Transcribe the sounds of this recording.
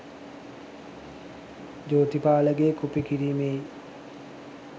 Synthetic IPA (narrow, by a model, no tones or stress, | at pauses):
d͡ʒoːt̪ipaːləɡeːkupikiɾiːmej